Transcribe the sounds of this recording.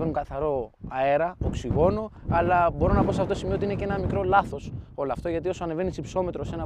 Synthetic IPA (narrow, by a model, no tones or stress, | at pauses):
venuŋkɐθɐɾo̞ɐe̞ɾɐoksiɣo̞no̞ɐlɐbo̞ɾo̞nɐposeɐft̪osimioot̪iine̞ceenɐmikɾo̞lɐθo̞so̞lɐft̪oʝɐt̪io̞soɐneve̞nisipso̞me̞t̪ɾose̞nɐ